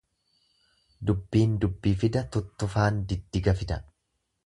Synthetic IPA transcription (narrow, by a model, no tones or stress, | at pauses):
d̪ʊbːiːnd̪ʊbːiːfɪd̪ɐt̪ʊt̪ːʊfaːnd̪ɪd̪ːɪɡɐfɪt̪ɐ